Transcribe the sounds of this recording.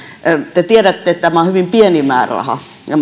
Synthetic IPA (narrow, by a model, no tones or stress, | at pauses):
t̪et̪ieɾæt̪ːeet̪t̪æmæohyʋimpienimæ̰ːrɑ̰hɑ̰ | jɑ